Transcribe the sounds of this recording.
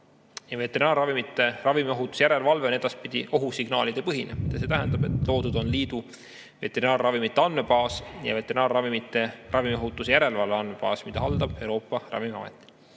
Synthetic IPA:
jɑve̞t̪ːe̞ɾinɑːrrɑvimit̪ːˑe̞rɑvimioɦut̪ːˑu̥sjæɾe̞lvɑlve̞oed̪̥ɑspid̪iʔo̞ɦusiɡ̥nɑ̰ːlid̪̥e̞pɤɦinemid̪̥ɑse̞ːt̪æɦɛnd̪ɑbe̞t̪ˑlo̞ːd̪ud̪o̞nliːd̪̥u | ve̞t̪ːe̞ɾinɑːrrɑvimit̪ːˑeɑnːmepɑːsjɑ̰ve̞t̪ːˑe̞ɾinɑːrːɑvimit̪ːˑeʔɑvimio̞ɦut̪ːˑusjæɾe̞lvɑlveɑnmebɑ̰ːsmid̪ɑɦɑld̪̥ɑb̥e̞wɾo̞ːpːˑɑrɑ̰vimiɑ̰mḛt̪ˑːi̥

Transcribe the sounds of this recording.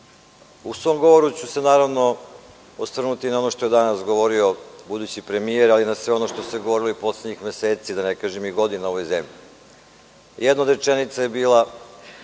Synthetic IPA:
usʋo̞mɡo̞ʋo̞ɾut͡ɕuse̞naːɾaʋno̞ | osr̩nut̪inao̞no̞ʃt̪o̞je̞d̪anasɡoʋo̞ɾio̞bud̪ut͡ɕipɾe̞mijeɾalinasʋeo̞noʃt̪o̞seɡoʋo̞ɾiloipo̞sled̪ɲixmjeseːt̪sid̪anekaʒemiɡo̞d̪inao̞ʋo̞jzemʎi | jʔed̪naod̪ɾet͡ʃenit̪sajebiːla

